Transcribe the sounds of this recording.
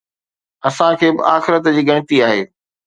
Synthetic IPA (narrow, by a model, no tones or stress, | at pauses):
ɐsãkʰeːbɪ̰ʔaːxɪɾət̪d͡ʑiːɡɐɽ̃ɪ̆t̪iaːɦeː